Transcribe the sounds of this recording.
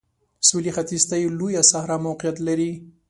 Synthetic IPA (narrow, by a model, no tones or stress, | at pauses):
sulixat̪izt̪ajelojasahɾɑmawqijat̪laɾi